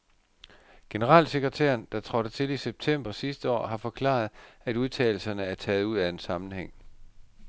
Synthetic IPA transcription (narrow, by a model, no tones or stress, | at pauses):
ɡ̥e̝nəʁɑ̰̈ːlse̝ɡ̥ʁɐt͡sʰæ̰ɐnd̥ɑ̈t͡sʰʁɒ̽ɾ̥ət͡sʰe̝liseb̥̚t͡sʰem̰b̥ɐsisd̥əɒ̰ːɦɑ̈fɒ̽kʰlɑ̰̈ð̞ˠæd̥uð̞ˠt͡sʰɛ̰ːɪl̩sɐnəæɐt͡sʰɛːð̞̩ˠuð̞̰ˠæensɑ̈mn̩heŋ̰